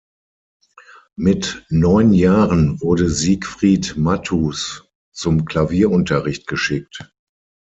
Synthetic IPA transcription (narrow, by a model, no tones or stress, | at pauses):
mɪtnɔʏnjaːʁənvʊɐdəziːkfʁ̥iːtmatʰuːs | t͡sʊmkl̥aviːɐʔʊntɐʁɪçt̚ɡ̥əʃɪk̚t